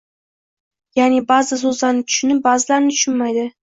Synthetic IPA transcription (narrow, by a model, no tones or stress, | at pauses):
janɪbazɪs̬ɵzlaɾnɪt̪ʰʊ̥ʃɪnɪp̚bazɪlaɾnɪt̪ʰʊ̥ʃʊnmajd̪ɪ